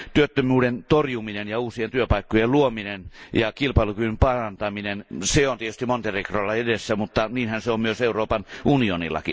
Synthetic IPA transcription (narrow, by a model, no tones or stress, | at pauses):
t̪yøt̪ːømyːdent̪orjuminenjɑuːsient̪yøpɑˑikːojelluominenjɑkilpɑˑilukyympɑrɑnt̪ɑminenseont̪iet̪yst̪immont̪erikrolːɑedesːæmut̪ːɑniːnhænseommyøseuroːpɑnʔunionḭlːɑ̰kḭ